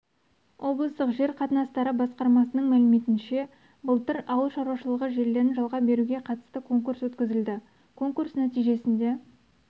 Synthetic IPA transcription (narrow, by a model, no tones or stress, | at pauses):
wʔo̞blˠəst̪əqʒe̞ɾqʰɑt̪ənɑst̪ɑɾəbɑsqɑɾmɑsənəɴmælɪmet̪ɪnʃe̞ | bəlˠt̪ɪɾɑwəlˠʃɑɾwɑʃəlˠəʁəʒe̞ɾle̞ɾɪnʒɑlˠʁɑbe̞ɾuɡʲe̞qʰɑt̪ə̥st̪əkʰo̞ŋkuɾswɵt̪kʲɪzɪld̪ɪ | kʰo̞ŋkursnæt̪ijʒe̞sɪnd̪e̞